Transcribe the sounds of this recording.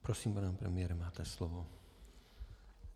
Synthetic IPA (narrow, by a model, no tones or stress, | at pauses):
pɾosiːmpanɛmpɾɛ̰mɪjɛɾɛmaːt̪ɛslovo